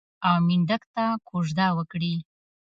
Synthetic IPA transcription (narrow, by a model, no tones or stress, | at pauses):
awmiɳɖəkt̪akʰoʒd̪awəkɽi